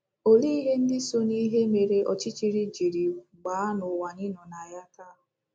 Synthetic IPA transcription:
o˦li˦i˦ɦe˦n̩˦dɪ˦so˦ni˦ɦe˦me˨ɾe˦ʔɔ˨t͡ʃi˦t͡ʃi˦ɾi˦d͡ʒi˨ɾi˨ɡ͡baː˨˦nʊ˨wa˨ɲɪ˦nɔ˨na˨ja˦ta˦˨ɦʊ˨

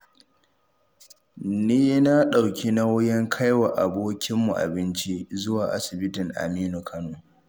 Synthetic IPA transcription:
niː˦na˦ɗa˨wkʲi˦na˦wʊ˦jɛ˦ŋkʰa˦jwa˨ʔa˨boː˦kʲʰɪ˦mːu˨ʔa̰˨bɪ˦nt͡ʃi˦zʊ˦waː˨ʔa˦sɪ˨bɪ˦tɪ˨ŋʔa̰˨miː˦no˨kʰɐ˦noː˨

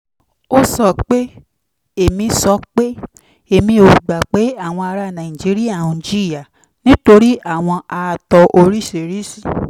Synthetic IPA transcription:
o˦sɔ˨k͡pe˦ | e˨mĩ˧sɔ˧k͡pe˦ | e˨mĩ˧o˨ɡ͡ba˨k͡pe˨˦a˦˨w̃ɔ̃˧a˧ɾa˧˨nã˨ĩ˨d͡ʒi˨˦ɾi˦a˦˨ũ˨d͡ʒi˦ɾi˦a˦˨ | nĩ˦to˧ɾi˦ʔa˦˨w̃ɔ̃˧a˧˨tɔ˧ʔo˧ɾi˦ʃe˨ɾi˦si˦˨

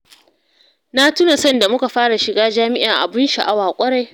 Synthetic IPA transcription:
na˦tu˦na˨sɔ˦nda˨mʊ˦ka˨ɸaː˦ɽa˨ʃɪ˨ɡaː˦d͡ʒaː˦mɪ˦ʔɪ˨ʔa̰˨bɪ˦nʃa˨ʔa˦waː˨kʷʼɐ˦ɽa˨j

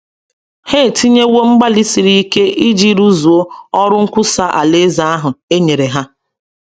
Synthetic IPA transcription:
he˦˨ti˦ɲe˦wo˦ŋ͡m̩˦ɡ͡ba˦li˦si˨ɾi˦i˦ke˦ʔi˦d͡ʒi˦ɾu˦zu˨o˦ɔ˦ɾʊ˦ŋ̩˦kʷʊ˦sa˦ʔa̰˨le˦za˦a˦ɦʊ˨e˦ɲe˨ɾe˨ɦa˦

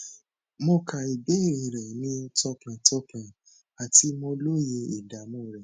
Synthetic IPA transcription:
mɔ̃˧kʰa˨i˨be˨˦i˦˨ɾĩ˧˨ɾɛ˨nĩ˦tɔ˧kã˨tɔ˧˦kã˨ | a˨ti˧mõ˧lo˦je˧i˨da˨mũ˦˨ɾɛ˨

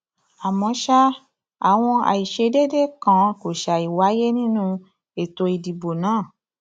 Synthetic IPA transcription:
a˨mɔ̃˨˧˦ʃa˦ | a˨w̃ɔ̃˧a̰˨i˨ʃe˧de˦de˦kã˨ko˨ʃa˨i˨wa˨˦je˦nĩ˦nũ˦ | e˨to˧i˧di˨bo˨nãː˦˨

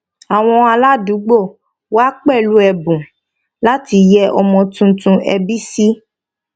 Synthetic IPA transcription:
a˨w̃ɔ̃˧a˧la˦du˨˦ɡ͡bo˦˨ | wa˦k͡pɛ˦˨lu˦ɛ˧bũ˨ | la˦ti˧jɛ˦ʔɔ˧mɔ̃˧tũ˧tũ˧ʔɛ˧bi˦si˦

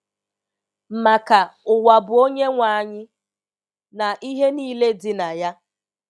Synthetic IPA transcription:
m̩˨ma˨ka˨ʊ˨wa˨bʊ˨o˦ɲe˦ŋʷa˦˨ɲɪ˦ | na˨ʔi˦ɦe˦niː˦le˦dɪ˨na˨ja˦

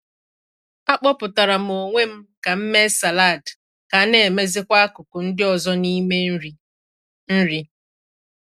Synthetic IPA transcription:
a˦k͡pɔ˦pʊ˨ta˨ɾa˨m̩o˨ŋʷe˦m̩˦ka˨m̩˦me˦sa˨la˦˨d | ka˨˦ne˨me˦zɪ˦kʷa˦a˦kʊ˨kʊ˨n̩˦dɪ˦ɔ˨zɔ˦ni˦e˦ | n̩˦ɾi˦

